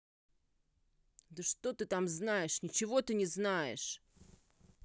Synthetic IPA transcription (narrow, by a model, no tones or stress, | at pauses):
d̪əʂt̪o̞t̪ɨt̪amznajɪʂnʲɪt͡ɕɪvo̞t̪ɨnʲɪznajɪ̰ʂ